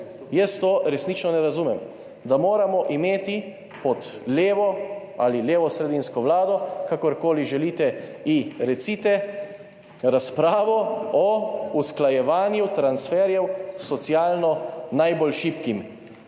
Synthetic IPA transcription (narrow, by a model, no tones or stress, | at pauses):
jəst̪oːɾɛsnit͡ʃnɔnɛɾazumɛm | d̪amoːɾamɔʔimeːt̪i | pɔt̪leːʋɔ | a̰ːlileːʋɔsɾɛd̪inskɔʋlaːd̪ɔkakɔɾkoːliʒɛlit̪ɛiɾɛsiːt̪ɛ | ɾaspɾaːʋɔɔusklajɛʋaːnjut̪ɾansfɛːɾjɛwsɔt̪sjaːlnɔnajbɔlʃipkim